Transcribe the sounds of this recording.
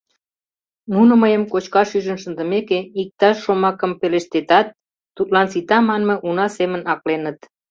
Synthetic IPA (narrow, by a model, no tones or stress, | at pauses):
nunəməjəmkot͡ɕkɑʃyʒənʃənd̪ə̆mekeik̚t̪ɑʃːomɑkəmpeleʃt̪et̪ɑt̪̚ː | ut̪lɑnsit̪ɑmɑnmə̆ʔunɑsemənɑklenət̪